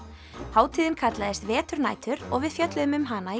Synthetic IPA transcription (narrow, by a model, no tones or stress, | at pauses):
haːwt̪ʰiːðɪnkʰat̪laðɪst̪vɛːt̪ʏɾna̰ːjt̪ʏɾɔ̰ɣvɪðfjœt̪lʏʏmʏmɦaːnai